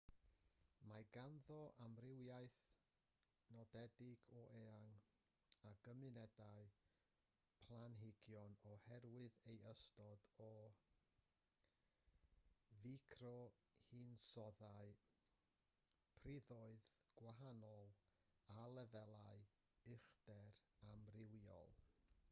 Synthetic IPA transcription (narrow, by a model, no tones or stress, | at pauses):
maɡanðɔʔamrɪwjajθ | nɔdɛdɪɡ̥ɔʔeːaŋ | aɡ̥əmɨnɛdaɨ | pʰlˠanɦɪɡjɔnɔhɛrwɨðejəstɔdɔ | vikʰrɔ | hinsɔðaɨ | pʰrɪðɔɨðɡ̥waɦanɔlˠalˠɛvɛlˠaɨ | ɪχd̥ɛramrɪwjɔ̰lˠ